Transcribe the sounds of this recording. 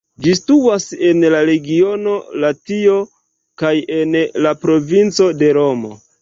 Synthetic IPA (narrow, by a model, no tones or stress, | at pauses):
d͡ʒistuase̞nlaɾe̞ɡio̞no̞latio̞ | kaje̞nlapɾo̞vint͡so̞de̞ɾo̞mo̰